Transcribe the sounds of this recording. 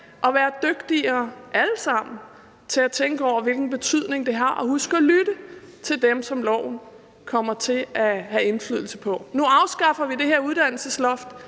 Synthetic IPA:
ʔɒ̽ʋæːɐd̥øɡ̥d̥iɐʔæləsɑ̈m̰n̩ | t͡sʰe̝æt͡sʰeŋɡ̥əɒʊ̰ɐʋe̝lɡ̥n̩b̥e̝t͡sʰyð̞̰ˠne̝ŋd̥e̝ɦɑ̈ʔɒ̽ɦusɡ̥əɒlyɾ̥ə | t͡sʰe̝ldemsɒ̽mlɒ̰ʊ̰n̩ | kʰɒ̽m̰ɐt͡sʰe̝æhæe̝nfly̰ðˠl̩səpʰɒ̽nuɑ̈ʊsɡ̥ɑ̈fɐʋid̥e̝ɦe̝ɐuðˠd̥æn̰l̩səslɒ̽fd̥

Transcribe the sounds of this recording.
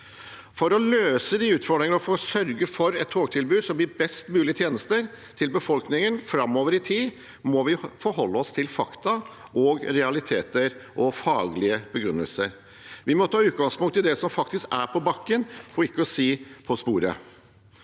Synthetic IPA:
fɔɾɔløːsəd̪iʉːt̪fɔɖ̪ɾɪŋənəɔfoːsœɾɡəfɔɾɛt̪ʰːoːɡ̚t̪ʰɪlbʉːd̪sɔmb̪ɪːbɛst̪mʉːlɪət̪ʰjeːnəst̪əɾ | t̪ʰɪlbəfɔlknɪŋənfɾɑmːoːʋəɾɪt̪ʰiː | mɔʋɪfɔɾɦɔlːəɔst̪ʰɪlfɑkt̪ɑ | ʔɔɡɾɛɑlɪt̪ʰeːt̪əɾʔɔfɑːɡlɪəbəɡɾʉnːə̰lsəɾ | ʋɪmɔt̪ʰɑːʉːt̪̚ɡɑŋspʊŋt̪ʰːɪld̪ɛsɔmfɑk̚t̪ɪskæɾpʰɔbɑkːənfɔɪkːəɔsiːpʰɔspuːɾə̰

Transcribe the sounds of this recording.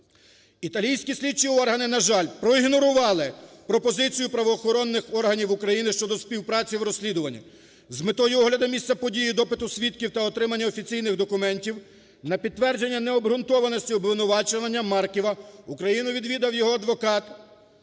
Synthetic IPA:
it̪ɐlʲijsʲkʲisʲlʲit͡ʃiɔrɦɐnɪnɐʒɑlʲpɾɔiɦnɔɾʊʋɑlˠɪpɾɔpɔzɪt͡sʲijʊpɾɐʋɔːxɔɾɔnːɪxɔrɦɐnʲiwʊkɾɐjinɪʃt͡ʃɔd̪ɔspʲiwpɾɑt͡sʲiwɾɔsʲlʲid̪ʊʋɐnʲːɐ̰ | zmet̪ɔjʊɔɦlʲɐd̪ɐmʲist͡sʲɐpɔdʲijid̪ɔpɪt̪ʊsʲʋʲit̪̚kʲiwt̪ɐɔt̪ɾɪmɐnʲːɐɔfʲit͡sʲijnɪɣd̪ɔkʊmɛnʲtʲiw | nɐpʲid̪̚t̪ːʋɛrd͡ʒe̞nʲːɐnɛɔbɦɾʊnt̪ɔʋɐnɔsʲtʲiɔbʋɪnʊʋɑt͡ʃoʋɐnʲːɐmɑrkʲiʋɐukɾɐjinʊʋʲid̪ʋʲid̪ɐwjɔɦɔɐd̪ʋɔkɑt̪

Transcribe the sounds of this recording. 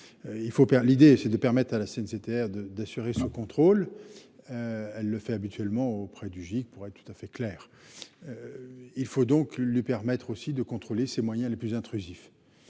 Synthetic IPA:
øilfopɛlid̪esɛd̪əpɛʁmɛt̪χalaseɛnset̪eɛʁd̪əd̪asyʁesɔkɔ̃t̪χol | øɛlːəfɛabit̪ɥɛlmɑ̃opχɛd̪yʒik̚puʁɛt̪̚ːt̪u̥t̪afɛklɛːʁøilfod̪ɔ̃klɥipɛʁmɛt̪χosid̪əkɔ̃t̪χolesemwajɛ̃leplyzɛ̃t̪χyzif

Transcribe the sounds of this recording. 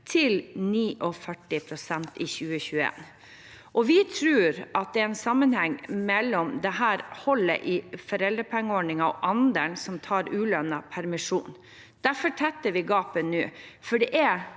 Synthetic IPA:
t̪ʰɪlniːʔɔfœʈːɪpʰɾʊsɛnt̪ɪçʉːəçʉːəḛːn | ʔɔʋɪt̪ʰɾʉːɾʔɑt̪̚d̪ɛæɾɛnsɑmːənhɛŋːmɛlːɔmd̪ɛɦæːɾhɔlːə̰ʔɪfɔɾɛld̪əpʰɛŋːəɔːɳɪŋɑɔ̰ʔɑnd̪əɳsɔmt̪ʰɑːɾʉːlœnɑpʰæɾmɪʂuːn | d̪̥æfɔʈʰɛt̪ːəɾʋɪɡɑːpənʉːfɔɖɛʔæ

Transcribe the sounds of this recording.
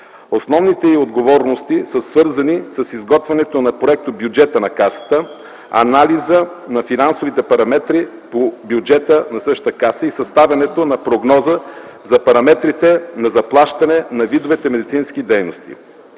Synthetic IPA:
osnɔvnit̪ɛiod̪ɡovɔɾnost̪isəsvɤɾzɐnisɐsizɡɔt̪vʲɛnɛt̪onɐpɾoɛk̚t̪objud͡ʒɛt̪ənɐkasə̥t̪ə | ɐ̰nalizə | nɐfinansovit̪ɛpɐɾɐmɛt̪ɾi | pobjud͡ʒɛt̪ənɐsɤʃt̪əkasəisɐst̪avʲɐnɛt̪onɐpɾoɡnɔzəzɐpɐɾɐmɛt̪ɾit̪ɛnɐzɐplˠaʃt̪ɐnɛnɐvid̪ovɛt̪ɛmɛd̪it̪sinsk̟id̪ɛjnost̪ḭ

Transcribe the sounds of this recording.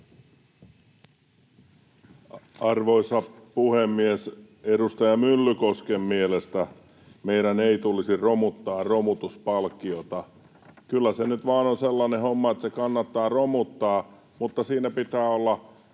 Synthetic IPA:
ɑrʋoisɑpuhemːies | edust̪ɑjɑmylːykoskemːielest̪æ | meiɾæneit̪ulisiromut̪ːɑːrromut̪uspɑlkːiot̪ɑ | kylːæsenyt̪ʋɑːnonselːɑnehomːɑet̪sekɑnːɑt̪ːɑːromut̪ːɑː | mut̪ːɑsiːnæpit̪æːolːɑ

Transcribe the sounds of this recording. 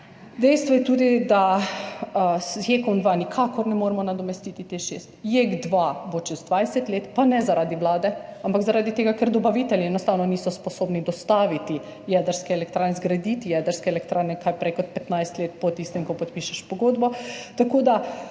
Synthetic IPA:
d̪ɛjst̪ʋɔjɛt̪uːd̪id̪a | sjekɔnd̪ʋanikʰaːkɔɾnɛmoːɾmɔnad̪ɔmɛst̪it̪it̪eʃḛst̪jeɡd̪ʋabot͡ʃɛzd̪ʋajsɛt̪leːt̪panɛzaɾaːd̪iʋlaːd̪ɛampaɡzaɾaːd̪it̪eːɡakɛɾd̪ɔbaʋiːt̪ɛljiɛnɔst̪aːwnɔniːsɔspɔsoːbnid̪ɔst̪aːʋit̪i | jɛd̪əɾskɛɛlɛk̚t̪ɾaːnɛzɡɾad̪it̪ijɛd̪əɾskɛɛlɛkt̪ɾaːɾnɛkʰajpɾɛkɔt̪̚pɛt̪najst̪leːt̪pɔt̪ist̪ɛmkɔpɔt̪piʃaʃpɔɡoːd̪bɔt̪akoːd̪a

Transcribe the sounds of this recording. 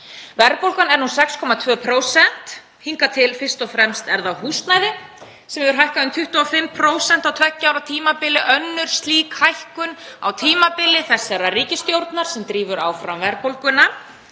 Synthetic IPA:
vɛɾpowlkanɛɾnusɛkskʰɔmat̪ʰvœːpʰɾowsɛn̥t̪ | hiŋkat̪ʰɪlfɪr̥st̪ɔfɾɛmst̪ɛɾðawhuːst̪najðɪ | sɛmɛvʏɾ̥ɦajhkaʏmt̪ʰʏht̪uafɪmpʰɾoːwsɛn̥t̪awt̪ʰvɛcːawɾat̪ʰiːmapɪlːɪʔœnːʏɾ̥st̪liːkhajhkʏna̰wt̪ʰiːmapɪlːɪθɛsːaɾariːcɪst̪jowɾt̪naɾ̥sɛmt̪ɾiːvʏɾa̰wfɾamvɛɾpowlkʏna

